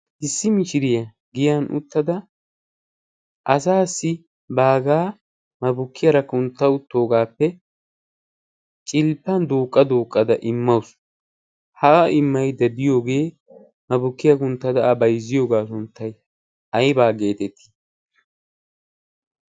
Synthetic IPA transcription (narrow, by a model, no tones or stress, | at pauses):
ʔɪsːɪmɪʃɪɾɪjɐ | ɡɪjɐnʔʊ̰t̪ːɐd̪ɐ | ʔɐsaːsːɪ | baːɡaː | mɐbʊkːɪjɐɾɐkʊnt̪ːɐʊt̪ːo̞ːɡaːpːɛ | t͡ʃʼɪlpːɐnd̪oːkʼːɐd̪oːkʼːɐd̪ɐʔɪmːɐwʊs | hɐɐʔɪmːɐjd̪ɐd̪ɪjo̞ːɡe̞ː | mɐbʊkːɪjɐkʊnt̪ːɐd̪ɐɐbɐjzːɪjo̞ːɡaːsʊnt̪ːɐj | ɐjbaːɡe̞ːt̪ɛt̪ʰːi̥